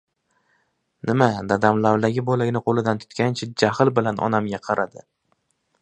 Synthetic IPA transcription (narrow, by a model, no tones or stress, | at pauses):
nʔɪmad̪ad̪amlavd̪aɡʲɪbɒlaɡʲnɪqʰolɪd̪ant̪ʰʊ̥t̪kʲant͡ʃʰad͡ʒahlˠbɪlanʔɒ̰namɡʲaqʰɑɾʔad̪ɪ